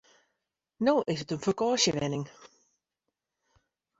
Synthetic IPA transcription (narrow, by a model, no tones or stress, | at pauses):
noːʔɪsətənfəkɔːsjəʋɛ̰nɪŋ